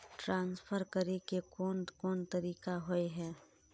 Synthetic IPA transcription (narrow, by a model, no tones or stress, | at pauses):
ʈɾãːnsfʰəɾkəɾekekɔːnkɔːnt̪ɐɾiːkaɦoeɦɛː